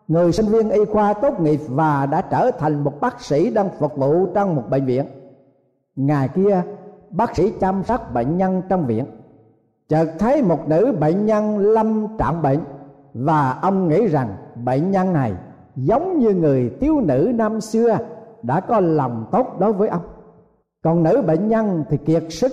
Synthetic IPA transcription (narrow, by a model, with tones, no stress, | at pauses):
ŋɨ˨˩əjsi˧ŋ̟vi˧ənʔi˧xwaː˧t̪o˦˥t̚ŋi˨˩əp̚vaː˨˩ɗa̰ː˧˥t͡ɕəː˧˩t̪ʰa˨˩jŋ̟mo˨˩t̚ɓaː˦˥k̚sḭ˧˥ɗaː˧ŋfə˨˩k̚vṵ˧˨t͡ɕɔ˧wŋ͡mmo˨˩t̚ɓə̰˧˨ŋ̟vḭ˧˨ən | ŋaː˨˩jki˧əɓaː˦˥k̚sḭ˧˥t͡ɕaː˧msa˦˥k̚ɓə̰˧˨ŋ̟ɲa˧nt͡ɕɔ˧wŋ͡mvḭ˧˨ən | t͡ɕəː˨k̚t̪ʰə˨˦jmo˨˩t̚nɨ̰˧˥ɓə̰˧˨ŋɲa˧nla˧mt͡ɕa̰ː˧˨mɓə̰˧˨n | vaː˨˩ʔə˧wŋ͡mŋḭ˧˥za˨˩ŋɓə̰˧˨nɲa˧nna˨˩j | zə˨˦wŋ͡mɲɨ˧ŋɨ˨˩əjt̪i˨˦əwnɨ̰˧˥naː˧msɨ˧əɗa̰ː˧˥kɔ˨˦lɔ˨˩wŋ͡mt̪o˦˥t̚ɗo˨˦jvəː˨˦jʔə˧wŋ͡m | kɔ˨˩nnɨ̰˧˥ɓḛ˧˨n̟ɲa˧nt̪ʰi˨˩ki˨˩ək̚sɨ˦˥